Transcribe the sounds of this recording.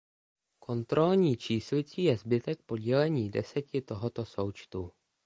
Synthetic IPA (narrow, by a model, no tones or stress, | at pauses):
kʰo̞nt̪ɾo̞lɲiːt͡ʃiːslɪt͡siːjɛzbɪt̪ɛk̚po̞ɟɛlɛɲiːdɛ̰sɛcɪt̪o̞ɦot̪o̞so̞wt͡ʃt̪u